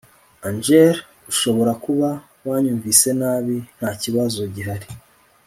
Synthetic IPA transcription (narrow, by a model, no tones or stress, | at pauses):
and͡ʒeɾ | uʃo̞βo̞ɾakuβa | waːɲuːɱvise̞naːβin̥haːciβazo̞ɟiɦaɾi